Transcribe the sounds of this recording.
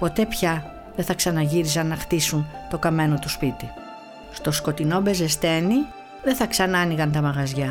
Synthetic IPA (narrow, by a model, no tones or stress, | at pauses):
po̞t̪e̞pçɐ | ðeθɐksɐnɐʝiɾisɐnːɐxt̪isunt̪o̞kɐme̞no̞t̪uspit̪i | st̪o̞sko̞t̪ino̞be̞ze̞st̪e̞ni | ðe̞θɐksɐnɐniɣɐnt̪ɐmɐɣɐzʝɐ